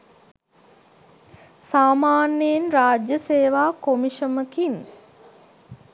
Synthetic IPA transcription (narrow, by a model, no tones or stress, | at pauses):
saːmaːnijinraːd͡ʒjəseːʋaːkomiʃəməkin